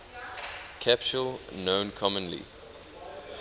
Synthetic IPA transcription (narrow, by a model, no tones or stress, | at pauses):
kʰæpt͡ʃulnõʊ̃nkʰɔmə̃nlḭ